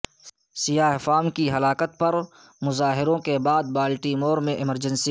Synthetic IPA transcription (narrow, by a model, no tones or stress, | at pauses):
sɪjaːɦfaːmkiɦɐlaːkət̪̚pɐɾ | mʊzaːɦɪɾõkebaːd̪̚baːlʈimoːɾmẽʔɪməɾd͡ʒə̃nsi